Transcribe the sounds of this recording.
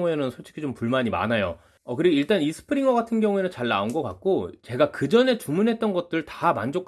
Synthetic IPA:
ŋue̞nɯnsʰoɭt͡ɕʰi̥kʰit͡ɕompuɭmaɲima̰najo̰ | ʌkɯɾiɡoiɭt͈anisʰɯ̥pʰɯɾiŋʌɡatʰɯnɡjʌŋue̞nɯnt͡ɕaɭna̰unɡʌk͈a̰k̚k͈ot͡ɕe̞ɡakɯd͡ʑʌne̞t͡ɕumunɦe̞t̚t͈ʌnɡʌt̚t͈ɯɭtama̰nd͡ʑokʰ

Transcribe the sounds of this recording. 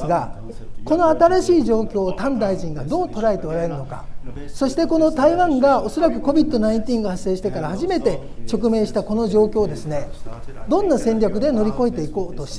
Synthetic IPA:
sɨɡa | ko̞no̞at̪aɾaɕiːʑo̞ːkʲo̞ːt̪ãnd̪aiʑĩŋɡad̪o̞ːt̪o̞ɾaet̪e̞oɾae̞ɾɯ̟no̞ka̰so̞ɕi̥t̪e̞ko̞no̞t̪aiβãŋɡao̞so̞ɾak̬ɯ̟ko̞bʲit̪ːo̞naĩɲt̪ʲĩŋɡɯhasːe̞ːɕi̥t̪ekaɾahaʑime̞t̪e̞t͡ɕo̞kɯ̟me̞ːɕi̥t̪ako̞no̞ʑo̞ːkʲo̞ːd̪e̞sɨne̞d̪õ̞nːasẽ̞ɲʲakɯ̟d̪e̞no̞ɾʲiko̞et̪e̞iko̞ːt̪o̞ɕi̥t̪

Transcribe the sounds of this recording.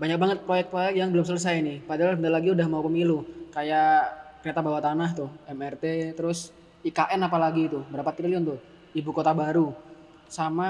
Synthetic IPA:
baɲak̚baŋət̪̚pɾojɛk̚pɾojɛkjaŋbəlʊms̬alʊs̬ajainɪhpadaɦaləndalaɡiudahmaupəmilukajakəɾet̪abawat̪anaɦt̪ʊhɛmɛrt̪et̪əɾʊs | ikaʔɛnapalaɡiːt̪ubəɾapat̪kɾiliɔnt̪ʊh | ibukot̪abaɾu | sama

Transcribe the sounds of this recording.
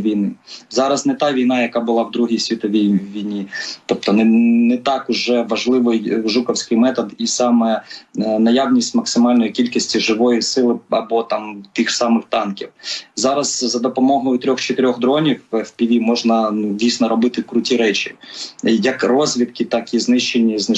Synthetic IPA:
ʋʲijnɪzɑɾɐznɛt̪ɑʋʲijnɑjɐkɑbʊlˠɑwd̪ɾuɦʲijsʲʋʲit̪ɔʋʲijʋʲijnʲit̪ɔp̚t̪ɔnɛnɛt̪ɑkʊʒɛʋɐʒlˠɪʋɪjʒukɐwsʲkɪjmɛt̪ɔd̪isɑmɛnɐjawnʲisʲtʲmɐksɪmɑlʲnɔjikʲilʲkisʲtʲiʒɪʋɔjisɪlˠɪɐ̰bɔt̪ɑmt̪ɪxsɑmɪxt̪ɑnkʲiwzɑɾɐzzɐd̪ɔpɔmɔɦɔjʊt̪ɾʲɔxt͡ʃet̪ɪɾʲɔɣd̪ɾɔnʲiwwpʲiʋʲimɔʒnɐdʲijsʲnɔɾɔbɪt̪ɪkɾʊtʲiɾɛt͡ʃʲijɐkrɔzʲʋʲid̪kɪt̪ɑkiznɪʃt͡ʃenʲːiznɪ

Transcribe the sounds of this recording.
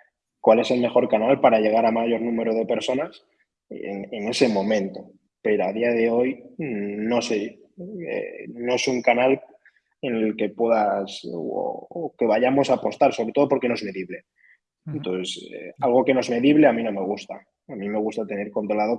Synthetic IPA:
kwale̞se̞lme̞xo̞ɾkanalpaɾaʝe̞ɣ̞aɾamaʝo̞ɾnũme̞ɾoðe̞pe̞ɾso̞nas | nene̞semõ̞mẽ̞nt̪o̞ | pe̞ɾoað̞iaðe̞o̞j | no̞se | ḛno̞esuŋkanal | e̞ne̞lke̞pwe̞ðas | oke̞β̞aʝamo̞sapo̞st̪aɾsoβɾet̪oopo̞ɾkenoe̞zme̞ðiβle̞ | ent̪oθesḛalɣ̞o̞ke̞noe̞zme̞ðiβle̞amĩno̞me̞ɣ̞ust̪a | amĩme̞ɣ̞ust̪at̪e̞ne̞ɾko̞nt̪ɾolaðo̞

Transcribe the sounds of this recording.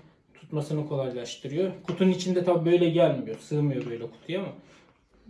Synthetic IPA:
t̪ʰu̥t̪masɯnɯkʰo̞lˠajlˠaʃt̪ʰɯɾɯjo̞kʰut̪ʰunit͡ʃʰind̪ɛt̪ʰabibø̞jlʲɛɟælʲmijosɯːmɯjo̞bø̞jlʲɛkʰu̥t̪ʰujama

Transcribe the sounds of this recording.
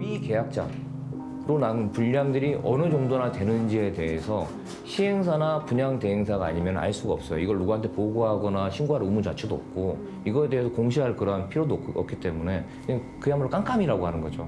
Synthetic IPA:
mike̞jak̚t͡ɕ͈a̰ | ɾonanpuʎːaŋdɯɾiʔʌnɯd͡ʑoŋdonatwe̞nɯnd͡ʑie̞te̞ɦesʰʌ | ɕʰieŋsʰanapuɲaŋte̞ɦeŋsʰaɡaa̰ɲimjʌna̰ɭs͈uɡaʌp̚s͈ʌjo̰iɡʌɭːuɡuɦantʰe̞poɡoɦaɡʌnaɕʰinɡuɦaɾumut͡ɕat͡ɕʰudoʌ̰p̚k͈o | iɡʌe̞de̞ɦesʰʌkoŋɕʰiɦaɭkɯɾʌɦanpʰiɾjodoʌ̰k͈̚it͈e̞mune̞ | e | kɯjambuɭk͈aŋk͈ʰamiɾaɡoɦanɯnɡʌd͡ʑo̰

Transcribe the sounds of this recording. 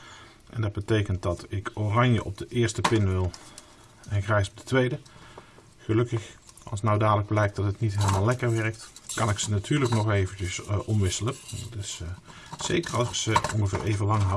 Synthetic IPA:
ʔɛndɑd̚bətejkənt̚dɑtɪkorɑnjəʔɔb̚dəʔɪːɹstəpɪnʋɪlˠ | ɛnxrɛjsɔb̚dətʋejdə | χəlɵkəx | ʔɑ̰lˠsnawdaːdələɡ̚blɛjk̚d̥ɑtɦətnitɦejləmaːlɛkəɹʋɛɹək̚tkɑnɪksənatʰyːɹləknɔχejvənt͡ʃəsʔɔmʋɪsələtɪs | sejkərɑlˠsɪksəɔnɣəvɪ̰ːɹʔejvəlɑŋɦ

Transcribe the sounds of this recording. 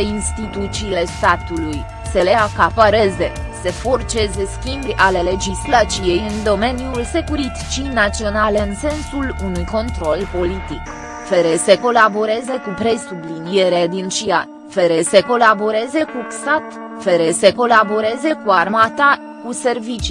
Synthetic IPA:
inst̪it̪ut̪siːle̞st̪at̪uluj | se̞leakapaɾe̞ze̞ | se̞fo̞rt͡ʃe̞ze̞skʲimbʲʔale̞le̞d͡ʒislat̪t͡ʃije̞jɨnd̪o̞me̞nijulse̞kuɾit̪i̥t͡ʃijnat̪sio̞naleɨnse̞nsulunujko̞nt̪ɾo̞lpo̞lit̪ik | feɾe̞se̞ko̞labo̞ɾe̞ze̞kupɾe̞sublinije̞ɾead̪int͡ʃia | fe̞ɾe̞se̞ko̞labo̞ɾe̞ze̞kust̪at̪ | fe̞ɾe̞se̞ko̞labo̞ɾe̞ze̞kuarmat̪a | kuse̞rvit͡ʃi

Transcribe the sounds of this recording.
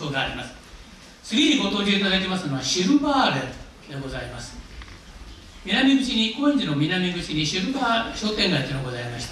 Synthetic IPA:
oːɡaːɾʲimasɨ̥ | sɨɾʲiːɾʲiɡo̞t̪oːd͡ʑʲinazait̪̬ʲemasɨnoβaɕiɾɯbaːɾe | d̪eɡo̞zaimasɨ̥ | mʲinamʲiɡɯ̟t͡ɕiɲ̟ikoĩɲd͡ʑino̞mʲinamʲiɡɯ̟t͡ɕiɲ̟iɕiɾɯ̟baːɕo̞ːt̪eŋɡait̪inoɡo̞zaimaɕi̥t̪a

